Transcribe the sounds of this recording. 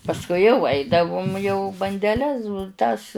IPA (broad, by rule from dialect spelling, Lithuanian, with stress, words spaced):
pɐsˈkʊɪ jɛʊ ˈɐɪdɐʋʊm jɛʊ bɐnʲdʲɛˈlʲɛs ˈtɐs